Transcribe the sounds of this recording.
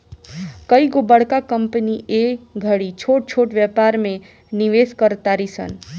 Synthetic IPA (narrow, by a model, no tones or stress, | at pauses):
kəiɡobəɽ̤kakəmpəniʔeɡʱəɽit͡ʃʰoʈ̚t͡ʃʰoʈʋjəpaɾmẽ | niʋeskəɾt̪aɾisə̰n